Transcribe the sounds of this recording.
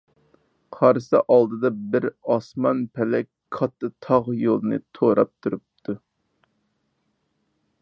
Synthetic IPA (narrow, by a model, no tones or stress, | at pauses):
qʰɑɾsɨʔɑlˠd̪ɨd̪ɑbɪɾɑsmɑnpʰɛlɛkʲ | kʰɑt̪ʰːɨt̪ʰɑʁjolˠɨnɨ̰t̪ʰoɾɑ̰p̚t̪ʰuɾup̚t̪ʰu